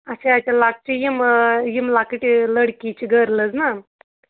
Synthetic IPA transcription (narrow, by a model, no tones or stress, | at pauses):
at͡ɕeat͡ɕalak̚t͡ɕijimjimlakiʈiləɽkit͡ɕiɡʱəɾlət͡sna